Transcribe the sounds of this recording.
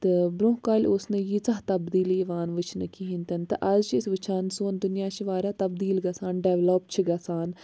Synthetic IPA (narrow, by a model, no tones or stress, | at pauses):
t̪ebɾʊɦkalʊsnẽːjiːt͡saɦt̪əbd̪iːliːʋaːnʋət͡ʃʰnəkiɦɪnt̪ənt̪ḛʔɐd͡ʒt͡ʃʰɪsʋət͡ʃʰaːnsoːnd̪ʊnɪjãːt͡ʃʰʋaːɾaːt̪əbd̪iːlɡasaːnɖɛːʋləpt͡ʃʰəɡaːsaːn